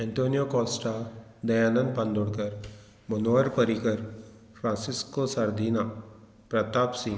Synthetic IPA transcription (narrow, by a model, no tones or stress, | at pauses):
ɛ̃nt̪ʰoːnijokɔːsʈa | d̪ɐjaːnənpɐ̃nd̪ʊɽkəɾ | mɐnoəɾpəɾikəɾ | fʰɾãːnsɪskosɐɾd̪iːna | pɾɐt̪aːpsɪ̃ŋ